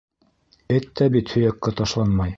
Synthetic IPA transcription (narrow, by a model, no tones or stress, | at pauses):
ɘt̪ːæbit̪hɵ̆jækːæt̪ɑʃlˠɑnmɑj